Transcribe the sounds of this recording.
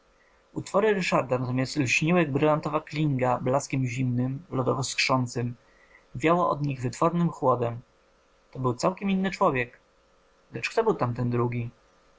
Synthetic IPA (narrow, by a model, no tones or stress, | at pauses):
ut̪fɔɾɘɾɘʂaɾd̪anat̪ɔmʲjast̪lɕɲiwɛɡbɾɘlant̪ɔvaklʲiŋɡablaskʲɛmʑimnɘmlɔd̪ɔ̰vɔskʂɔnt̪sɘm | vʲjawɔʔɔ̰d̪ɲiɣvɘt̪fɔɾnɘmxwɔd̪ɛm | t̪ɔbɘwt̪sawkʲɛmʲinːɘt͡ʂwɔvʲjɛk | lɛt͡ʂkt̪ɔbɘwt̪amt̪ɛnd̪ɾuɡʲi